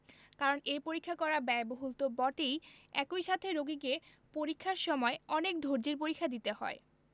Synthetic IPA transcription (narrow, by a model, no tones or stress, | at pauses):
kaɾonejpoɾikʰːakɔɾabɛeboɦult̪obɔʈejɛkojʃat̪ʰeɾoɡike | poɾikʰːaɾʃɔmɔeɔnek̚d̪ʱoɾd͡ʑiɾpoɾikʰːad̪it̪ehɔ̰e